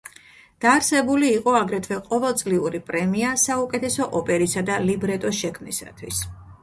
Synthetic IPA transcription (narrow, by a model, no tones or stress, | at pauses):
d̪̥aːɾsɛbuliːqʼɔaɡɾɛt̪ʰvɛqʼɔvɛlˠt̪sʼliuɾipʼɾɛmiasaukʼɛt̪ʰɛsɔʔɔpʼɛɾisad̪alibɾɛt̪ʼɔʃɛkʰmnḭsa̰t̪ʰwis